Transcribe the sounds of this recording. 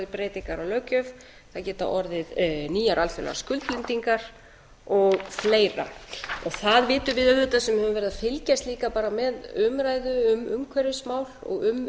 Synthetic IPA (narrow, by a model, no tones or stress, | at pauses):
ðɪpɾeːjt̪iŋkaɾalœcʏv | θaðcɛːt̪a̰ʔɔɾðɪðniːjaɾʔalfɛla̰ɣa̰skʏlt̪lɪnt̪iŋkaɾ̥ | ɔɣfleːjɾa̰ɔɣθaðvɪːt̪ʏvɪðœɥðʏt̪asɛmhɛvʏmvɛɾɪðafɪlcast̪liːkapaːɾamɛðʏmɾaːjðʏʏmʏmkʰvɛɾɪsmaːwlɔ̰ɣʏm